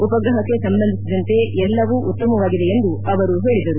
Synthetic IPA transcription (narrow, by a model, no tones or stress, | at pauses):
upɐɡɾɐɦɐkːe̞sɐmbɐnd̪ʱisid̪ɐnt̪e̞ɛlːɐʋuːʔut̪ːɐmɐʋaːɡid̪e̞ːnd̪uɐʋɐɾuɦe̞ːɭid̪ɐɾu